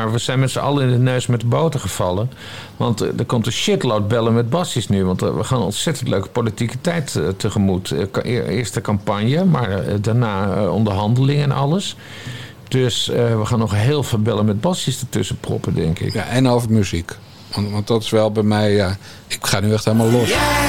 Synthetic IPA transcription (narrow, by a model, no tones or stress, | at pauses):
maːɹʋəzɛjnmɛtsəʔɑ̰ləɪndənøɥsmɛt̚dəbowtəχəv̥ɑlˠə | ʋɑntdəɹkɔmtənʃɪtlowd̚bɛlənmɛd̚bɑsəsnyʋɑntʋə̰χaːnɔ̰nsɛtəntløɥkə̥politikətɛjtətəχəmutɪ̰ːɹstəkɑmpɑɲjəmaːɹdaɹnaːɔ̰ndəɹɦɑndəlɪŋɛnʔɑ̰ləs | d̥øsəʋəχaːnɔχɦeːlˠvɪːlˠbɛlənmɛd̚bɑsistətøsəprɔ̰pədɛŋkɪ̰kaʔɛnowvəmyzik | ʋɑntʋɑntdɑtɪ̥sʋɛlˠbɛjmɛjja | ɪkχaːnyɛxteləmaːlˠlɔs